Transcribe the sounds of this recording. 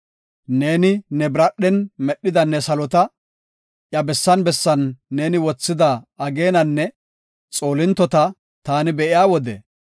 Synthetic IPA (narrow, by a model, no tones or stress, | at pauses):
ne̞ːnɪnɛbɾɐɗːɛnmɛɗːɪd̪ɐnːɛsɐlɔt̪ɐ | ʔjɐbɛsːɐnbɛsːɐnːe̞ːnɪwɔt͡sːɪd̪ɐːɡe̞ːnɐnːɛ | t͡sʼo̞ːlɪnt̪ːɔt̪ɐ | t̪aːnɪbɛʔɪjaːwɔd̪ɛ̰